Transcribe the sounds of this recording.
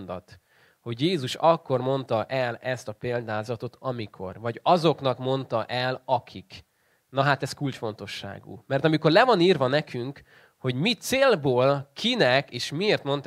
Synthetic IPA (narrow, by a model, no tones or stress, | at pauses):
nd̪ɒ̰t̪ | ho̞ɟjeːzuʃɒkːo̞rmo̞n̪t̪ɒʔɛlɛst̪ɒpeːld̪aːzɒt̪o̞t̪ʰɒmikʰo̞̰rvɒɟɒzo̞kn̪ɒkmo̞nt̪ɒʔɛlɒkʰik | nɒɦat̪ɛskult͡ʃfo̞nt̪o̞ʃːa̰ːɡṵːmɛrt̪ɒmiko̞rlɛvɒniːrvɒnɛkʰyŋk | ho̞ɟmit̪seːlboːlkʰinɛkeːʃmieːrt̪mo̞nt̪